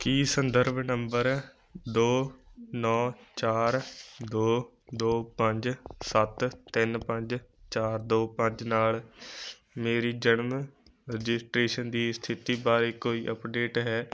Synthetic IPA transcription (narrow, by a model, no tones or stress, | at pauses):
kiːsənd̪əɾbʱnəmbəɾ | d̪oːnɔːt͡ʃaːɾd̪oː | d̪oːpə̃ɲd͡ʒsət̪t̪ːɪnpə̃ɲd͡ʒt͡ʃaːɾd̪oːpə̃ɲd͡ʒnaːl | meːɾiːd͡ʒənm | ɾəd͡ʒɪsʈɾeːʃənd̪iːst̪ʰɪt̪iːbaːɾeːkoːiːʔəpɖeːʈɦɛː